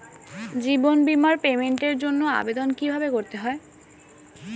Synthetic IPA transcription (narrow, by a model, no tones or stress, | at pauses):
d͡ʑibonbimaɾpemeɳʈeɾd͡ʑonːoa̰bed̪onkibʱabekoɾt̪eɦɔe